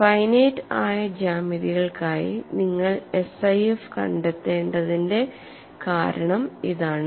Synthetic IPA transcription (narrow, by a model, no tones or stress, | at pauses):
fɐjnejtːaːjɐd͡ʑaːmiðiɣɐɭkaːjḭniŋːɐɭesɐjefkɐ̰ɳɖet̪ːe̞ːɳɖɐðinde̞ | kaːɾɐɳɐmiðaːɳɨ